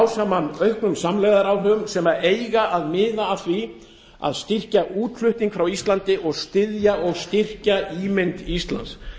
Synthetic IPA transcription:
wsamanœɥhknʏmsamlɛːjɣðaɾawɦœːɣʏmsɛmaeːjɣaʔaðmɪːðaːθvi | a̰ðst̪ɪr̥caʔuːt̪l̥ʏht̪niŋkfɾawist̪lant̪ɪʔɔɣst̪ɪðjaʔɔɣst̪ɪr̥caiːmɪnt̪ist̪la̰nt̪s

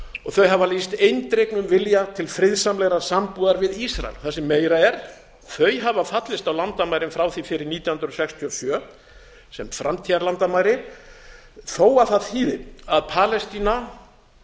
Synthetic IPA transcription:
ɔɣθœɥɦavalist̪ejnt̪ɾejknʏmvɪljat̪ʰɪlfɾɪðsamlɛɣɾasampuːðaɾvɪðisɾa̰ɛ̰lθɛsːɪmːeːjɾaɛɾ̥ | θœɥjɦavafat̪lɪst̪awlant̪amaːjɾɪmfɾaːwθifɪɾɪɾniːt̪jawhʏnɾɔsɛkst̪ʰiɔsjœ | sɛmfɾamt̪ʰiaɾlant̪amaːjɾɪ | θoːwaθaðhiːðɪaðpʰaːlɛst̪iːna

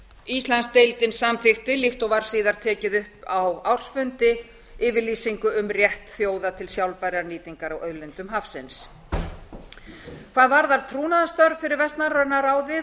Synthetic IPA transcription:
ist̪lanst̪ejlt̪ɪnsamθɪxt̪ɪlixt̪owvaɾ̥siːðaɾ̥t̪ʰɛːcɪðʏhpawawr̥sfʏnt̪ɪ | ɪːvɪliːsiŋkʏʏmrjɛht̪θjoːwðat̪ʰɪlsjawlpajɾaɾniːt̪iŋkaɾawʔœðlɪnt̪ʏmɦafsɛns | kʰv̥aːðvaɾðaɾ̥t̪ʰɾuːnaðast̪œɾð̥fɪɾɪɾvɛst̪narœnaɾaːwðɪ

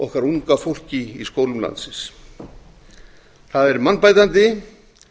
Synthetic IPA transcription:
ɔhkvaɾuŋkafowl̥cɪiskoːwlʏmla̰nsɪs | θaðɛɾmanpajt̪ant̪ɪ

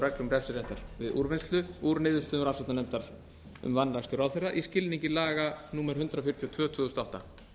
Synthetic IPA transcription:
ɾɛklʏmrɛ̥sɪɾɛht̪aɾ̥vɪðṵɾvɪnst̪lʏuɾnɪːðʏst̪ʏɾasɛt̪anɛmt̪aɾ̥ | ʏ̰mvanɾast̪ʏɾawθejrːaʔiscɪlniɲcɪlaːɣanuːmɛɾ̥ʏnt̪ɾafɪr̥ʰjɔt̪ʰvœːt̪ʰvʏːðust̪ɔht̪a

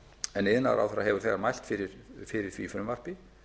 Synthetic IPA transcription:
ɛnːeðna̰ɾʔa̰wθɛɾaɦɛvʏθɛɣaɾmajl̥t̪fɪɾɪɾ̥fɪɾɪɾ̥θvifɾʏmvar̥pɪ

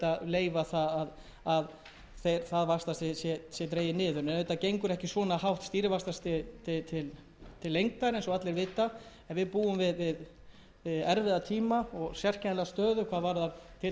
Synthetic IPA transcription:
t̪aleːjvaθaað | að | θejɾθaðvḁst̪asɛsjɛsjɛt̪ɾeːjɪnɪːðʏɾnɛnvet̪ːacejŋkʏɾɛhcɪsvɔːnahawht̪st̪iːɾɪvast̪ast̪ʰɪt̪ʰɪt̪ʰɪl | t̪ʰɪlːejŋk̚t̪aɾejnsɔɣat̪lɛɾvɪːt̪a | ɛnvɪðpuːʏmvɪðvɪð | ɛɾvɪðat̪ʰiːmaɔɣsjɛr̥cɛnlɛɣast̪œːðʏkʰvaːðvaɾðaɾt̪ʰɪ

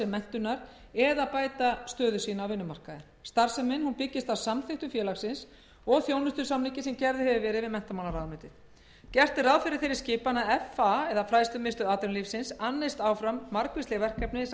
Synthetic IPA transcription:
ɛmmɛn̥t̪ʏnaɾ | ɛðapaːjt̪ast̪œːðʏsiːnawvɪnːʏmar̥kaðɪnst̪aɾ̥sɛmɪnhunpɪcːɪst̪awsamθɪht̪ʏfjɛːlaxsɪns | ɔɣθjownʏst̪ʏɾ̥samlicɪsɛmcɛɾðɪhɛvɪvɛːɾɪðvɪðmɛn̥t̪amanaɾaːðmɪt̪ɪθ | cɛr̥t̪ɪraːðfɪɾɪɾ̥θejɾɪɾ̥scɪːpanaɛfaɛðafɾaːjst̪ʏmɪst̪ʏaːt̪ʏnlifsɪnsanːejst̪aːwfɾamːaɾkvɪst̪lɛɣvɛr̥kɛpnɪs

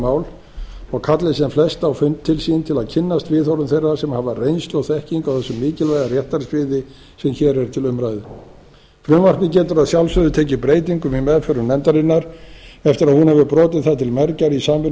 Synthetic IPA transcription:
aːwl | ɔɣkʰat̪lɪsɛmflɛst̪awfʏnt̪ʰːɪlsiːnt̪ʰɪlaðcʰɪnːast̪vɪðɔwɾʏmθejrasɛmhavarejnst̪ɔɣθɛhciŋkawθɛsːʏmːɪːcɪlvajðarjɛht̪aɾsvɪðɪ | sɛmçɛːɾɛɾt̪ʰɪlʏmɾajðɪ | fɾʏmvar̥kɪcɛːt̪ʏɾaðsjawlsœðʏt̪ʰeːcɪpɾeːjt̪iŋkʏmimɛðfœɾʏnɛnt̪aɾɪnːaɾɛft̪ɪɾaðhunhɛvʏpɾɔːt̪ɪðθaðt̪ʰɪlmɛɾcaɾisaːmvɪ

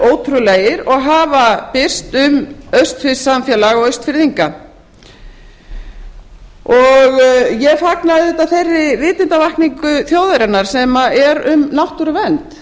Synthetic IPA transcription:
oːwt̪ʰɾʏlɛjɪɾɔɣɦaːvapɪr̥st̪ʏmœɥst̪fɪsamfjɛːlaɣɔɣœɥst̪fɪɾðiŋka | ɔɣjɛfaknaðɪt̪aθerːɪvɪːt̪ɪnt̪avahkniŋkʏθjoːwðaɾɛnaɾ̥sɛmaɛɾʏmnawht̪uɾʏvɛnt̪

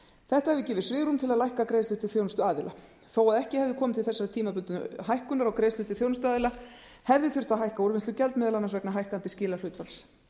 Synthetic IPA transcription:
θɛht̪ahɛvɪcɛːvɪsvɪːɣɾumt̪ʰɪlaðlajhkakɾeːjst̪ʏt̪ʰːɪlfjownʏst̪ʏaːðɪlʔa̰ | θowaðɛhcɪhɛvðɪkʰɔːmɪt̪ʰɪlθɛsːaɾɪt̪ʰiːmapʏnt̪ʏɦajhkʏnaɾawkɾeːjst̪ʏht̪ɪlfjownst̪ʏaːðɪla | hɛvðɪθʏr̥t̪aðɦajhkauɾmɪnst̪ʏcɛlt̪mɪːðalanansvɛknaɦajhkant̪ɪscɪːlalʏːt̪fals

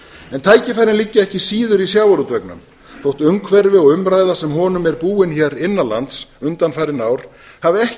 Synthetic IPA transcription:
ɛnt̪ʰaːjcɪfajɾɪnlɪcːaɛhcɪsiːðʏɾisjawaɾut̪ɾœknʏ̰m | θowht̪ʏŋkʰvɛɾvɪɔɣʏmɾaːjðasɛmɦɔːnʏmɛɾpuːɪnçɛɾɪnːala̰nt̪sʏnt̪anfajɾɪnaːwɾ̥ | havɪɛh

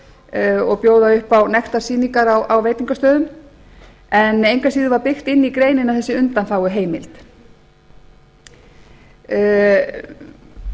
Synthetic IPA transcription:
ɔɣpjoːwðaʏhpawnɛxt̪aɾsiːniŋkaɾawawveːjt̪iŋkast̪œːðʏm | ɛnejŋkasiːðɪvaɾpɪxt̪ɪnːikɾejnɪnawθɛsːɪʏnt̪anθfaːwʏɦeːjmɪlt̪

